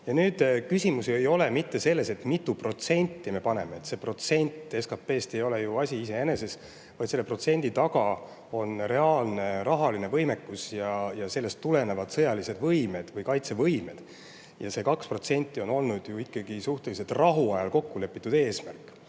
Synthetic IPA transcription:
jɑnyːd̪̥kysʲimusiejo̞lemit̪ːe̞se̞lːe̞se̞t̪ˑmit̪ːˑupro̞t̪se̞nʲt̪ːime̞pɑne̞meet̪se̞ːpro̞t̪se̞nʲt̪ːˑe̞skɑpe̞ːst̪e̞jo̞le̞juɑsʲiise̞ene̞se̞s | vɑjd̪se̞lːepro̞t̪se̞nʲd̪̥it̪ɑɡ̥ɑ | o̞nɾe̞ɑːlne̞ɾɑɦɑline̞vɤjme̞kːˑusjɑjɑse̞lːe̞st̪ːule̞ne̞vɑd̪̥sɤ̞jɑlise̞d̪vɤjme̞d̪̥vɤjkɑjt̪se̞vɤjme̞̰d̪̥ | jɑ̰se̞kɑkspro̞t̪se̞nʲt̪ˑːio̞no̞lnud̪̥juikːˑɑɡ̥isuht̪e̞liset̪rɑɦuɑjɑlko̞kːule̞pːˑit̪ːˑud̪e̞ːsmæ̰rkːˑ

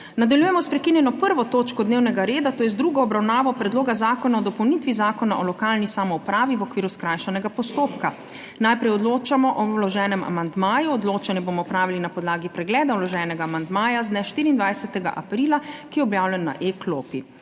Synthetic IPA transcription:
nad̪aljuːjɛmɔspɾɛkinjɛnɔpəɾʋɔt̪oːt͡ʃkɔd̪neːwnɛɡaɾeːd̪at̪oːjɛzd̪ɾuɡɔɔbɾawnaːʋɔpɾɛd̪loːɡazaːkɔnaɔd̪ɔpɔwnit̪ʋizaːkɔnaʔɔlɔkalnisaːmɔupɾaːʋiʋɔkʋiːɾuskɾajʃanɛɡapɔst̪oːpka | najpɾɛjɔd̪loːt͡ʃamɔʔɔwlɔʒɛːnɛma̰mand̪maːjuɔd̪loːt͡ʃanɛbomɔpɾaːʋilinapɔd̪laːɡipɾɛɡlɛːd̪awlɔʒɛːnɛɡaːmand̪maːjazd̪nɛʃt̪iːɾiːnd̪ʋajsɛt̪ɛɡa̰ʔa̰pɾiːlakijɛɔbjaːwlɛnːa̰ʔekloːpi

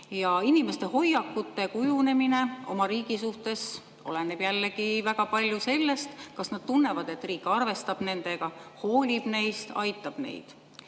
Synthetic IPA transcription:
jɑinime̞st̪e̞ɦo̞jːɑkːut̪ˑːe̞kujune̞mine̞o̞̰mɑɾiːɡ̥isuht̪e̞s | o̞̰leneb̥jælːeɡivæɡ̥ɑpɑlʲjuse̞lːe̞st̪kɑsnɑd̪̥t̪unːe̞vɑd̪e̞t̪ːriːkːˑɑrve̞st̪ɑb̥ne̞nd̪̥e̞ɡ̥ɑho̞ːlʲib̥ne̞jst̪ɑ̰jt̪ːˑɑb̥ne̞̰jd̪̥

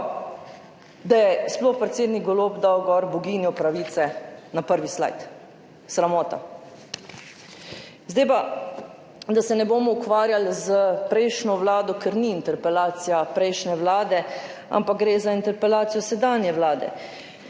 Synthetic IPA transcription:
d̪ajɛsplɔxpɾɛt̪seːd̪niɡɡɔloːbd̪awɡɔɾbɔɡiːnjɔpɾaʋiːt̪sɛnapəɾʋisla̰jt̪ | sɾamɔːt̪a̰ | zd̪ejpa | d̪asɛnɛboːmɔukʋaːɾjalzəpɾɛjʃnɔʋlaːd̪ɔkɛɾniːnt̪ɛɾpɛlaːt̪sijapɾɛjʃnɛʋlaːd̪ɛ | a̰mpak̚ɡɾeːzaint̪ɛɾpɛlaːt̪sijɔsɛd̪aːnjɛʋlaːd̪ɛ̰

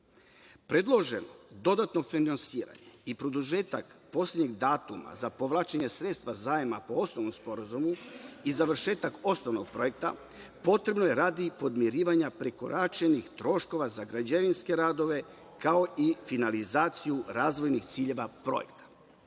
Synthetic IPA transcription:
pɾe̞d̪lˠo̞ʒe̞nod̪o̞d̪at̪no̞finansiːɾa̰ɲe̞ipɾo̞d̪uʒe̞ːt̪akpo̞slʲedɲeɡd̪aːt̪uma̰zapo̞ʋlˠaːt͡ʃeɲe̞sɾet̪st̪ʋazaːjemapo̞o̞sno̞ʋnomspo̞ɾazumuizaʋr̩ʃe̞ːt̪ako̞sno̞ʋno̞ɡ̥̚pɾo̞jek̚t̪a̰ | po̞t̪ɾe̞bno̞je̞ɾaːd̪ipo̞d̪mjeɾiːʋaɲapɾeko̞̰ɾʔat͡ʃenixt̪ɾo̞ʃko̞ʋazaɡɾad͡ʑeʋinske̞ɾaːd̪o̞ʋe̞ | kao̞ʔifinalizaːt̪sijuɾaːzʋo̞jnixt̪siːʎe̞ʋapɾo̞̰je̞̰kt̪ḁ

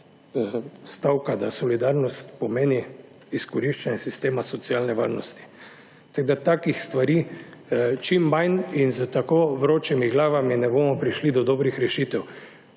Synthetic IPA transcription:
st̪awkad̪asɔlid̪aɾnɔst̪pɔmeːni | iskɔɾiʃt͡ʃanɛsist̪eːmasɔt̪sialnɛʋa̰ɾnɔst̪i̥ | t̪aɡd̪at̪akixst̪ʋaɾiː | t͡ʃimːajninzət̪akoʋɾoːt͡ʃimiɡlaːʋaminɛboːmɔpɾiʃlid̪ɔd̪ɔːbɾixɾɛʃiːt̪ɛw

